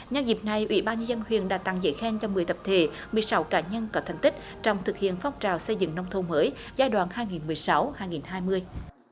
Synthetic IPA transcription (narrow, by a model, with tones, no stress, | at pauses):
ɲə˧nzi˨˩p̚na˨˩jʔwḭ˧˩˦ɓaː˧nɲə˧zə˧nhwḭ˧˨ənɗa̰ː˧˥t̪a˧˨ŋzə̰˧˥˩jxɛ˧nt͡ɕɔ˧mɨ˨˩əjt̪ə˨˩p̚t̪ʰe˧˩˦ | mɨ˨˩əjsa˨˦wkaː˧˩ɲə˧nkɔ˨˦t̪ʰa˨˩ŋ̟t̪ï˦˥k̟̚ | t͡ɕɔ˧wŋ͡mt̪ʰɨ˨˩k̚hḭ˧˨ənfa˧wŋ͡mt͡ɕaː˨˩wsə˧jzɨ̰˧˨ŋnə˧wŋ͡mt̪ʰo˧məː˨˦j | zaː˧jɗwa̰ː˧˨nhaː˧jŋi˨˩nmɨ˨˩əjsa˨˦whaː˧jŋi˨˩nhaː˧jmɨ˧əj